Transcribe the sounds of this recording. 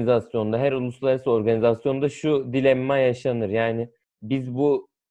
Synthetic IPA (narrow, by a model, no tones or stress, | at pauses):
nizasjo̞nd̪aɦæɾulˠuslˠaɾasɯo̞ɾɡanizasjo̞nd̪aʃud̪ilʲɛmːajaʃanɯɾjaːnɪ | bizbu